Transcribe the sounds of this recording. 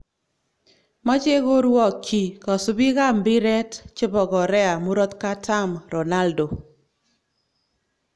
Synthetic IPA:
ma˦t͡ʃe˦ɣo˦ɾwɔ˦˨kːi˨kɔ˨sʊ˦bi˦ɣa˦˨mbɪ˦ɾɛ˦tt͡ʃɪ˦bɔ˨ɡɔ˨ɾɛ˦a˨mu˦ɾɔ˦t̪ka˦ta˦mɾo˨na˦ldo˨

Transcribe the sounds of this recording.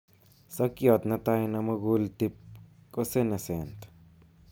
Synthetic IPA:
sa˦kjo˧t̪na˧t̪a˦jna˧ma˧ɡu˦lt̪i˧p̚ | kʼo˦se˦ne˨se˨nt̪

